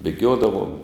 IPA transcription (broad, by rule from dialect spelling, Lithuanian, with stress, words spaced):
bʲeːˈɡʲoːdɐʋoːm